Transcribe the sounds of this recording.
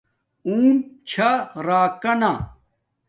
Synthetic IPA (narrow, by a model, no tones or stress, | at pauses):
uːmt͡ɕʰaɾaːkɐna